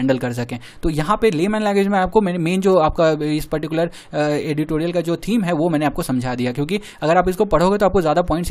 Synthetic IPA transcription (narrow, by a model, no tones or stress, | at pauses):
ɛ̃ːɳɖəlkɐɾs̬ɐkẽː | t̪oːjɐɦãpeleːmɛ̃ːnlɛ̃ŋɡʋed͡ʒmẽaːp̚komɛːnemeːnd͡ʒoːaːp̚kaɪspɐɾʈɪkʊləɾ | eːɖɪʈoːɾiəlkad͡ʒoːt̪ʰiːmɦɛʋomɛ̃ːneaːp̚kosɐ̃md͡ʒʱad̪ijakjõːki | ɐɡəɾaːpɪskopɐɽ̤oːɡet̪oaːp̚kozjaːd̪ap̬ɔ̃ːɪ̃ɳʈs